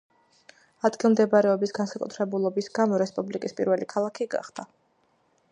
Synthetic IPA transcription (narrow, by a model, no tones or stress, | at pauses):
ad̪ɡilˠmd̪ɛbaɾɛɔbisɡansakʼṵt̪ʰɾɛbulˠɔbisɡamɔɾɛspʼublikʼispʼḭɾvɛlikʰalˠakʰiɡa̰χd̪̥a